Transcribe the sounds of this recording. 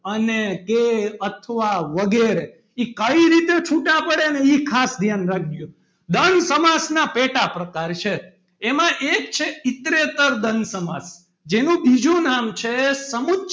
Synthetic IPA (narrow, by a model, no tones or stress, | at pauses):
ənekeət̪ʰəʋaʋəɡeɾe | ikəiɾit̪et͡ʃʰuʈapəɽeneikʰasd̪ʱjanɾak̚ʰɡjũ | d̪ənsəmasnapeʈapɾəkaɾt͡ʃʰeː | mãʔek̚t͡ʃʰeit̪ɾet̪əɾd̪ənsəmas | d͡ʒenũbid͡ʒũnamt͡ʃʰesəmut̪